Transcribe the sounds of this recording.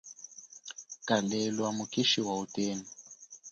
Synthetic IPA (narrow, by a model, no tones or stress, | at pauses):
kalɛlwamukiʃiwauteːni